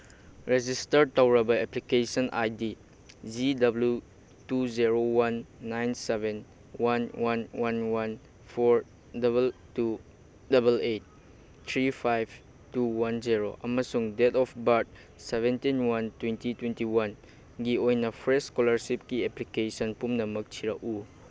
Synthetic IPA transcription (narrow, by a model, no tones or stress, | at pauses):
ɾed͡ʒistɐɾtawɾɐbɐeplikesɔnʔa̰jdi | zidɐblju | tuziɾowanːajnseben | wanwʔanwanwan | pʰoɾ | dɐbeltu | dɐbelet̚ | tʰɾipʰajb | tuwanziɾo̰ʔɐ̰mɐsuŋdetɔpbat̚ | sebentinwantwentitwentiwan | ɡiojnɐpʰɾeskɔlɐɾsip̚kieplikesɔnpumnɐmɐk̚tʰiɾaʔu